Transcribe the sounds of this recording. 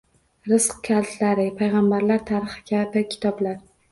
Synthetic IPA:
ɾɪsqkʲʰalt̪ʰlaɾɪpʰajʁambaɾlaɾt̪ʰaɾɨχɪ̥kʲʰapɪkʲʰɪ̥t̪ʰɒblaɾ

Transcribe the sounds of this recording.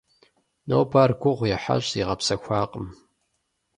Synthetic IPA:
nowpʰaːrɡʷʊʁʷjɛħa̰ɕʼiʁɐpsɐxʷɑːqʼəm

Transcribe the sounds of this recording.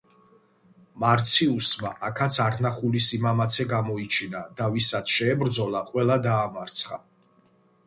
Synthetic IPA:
maɾt̪sʰiusma̰ʔakʰat̪sʰaɾnaχulisimamat̪sʰɛɡamɔit͡ʃʰinad̪avisat̪ʃɛːbɾd̪zɔlˠaqʼwɛlˠad̪aːmaɾt̪sʰχa̰

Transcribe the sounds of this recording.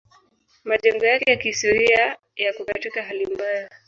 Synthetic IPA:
maʄɛŋɡɔjakɛjakihistɔɾia | jakukatikaɦalimbaja

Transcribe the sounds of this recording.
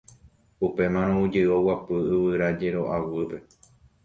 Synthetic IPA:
upe̞mãɾ̃õud͡ʒeowapɨɨβɨɾad͡ʒe̞ɾo̞ʔawɨpe̞

